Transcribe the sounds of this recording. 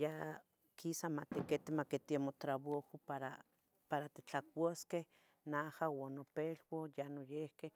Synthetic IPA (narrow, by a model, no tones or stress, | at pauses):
ja | kʰisamat̪eket̪emaket̪iamot̪ɾaβohopaɾa | paɾat̪e̥t͡ɬakʷaskeh | nahawanopelwojanojehkeh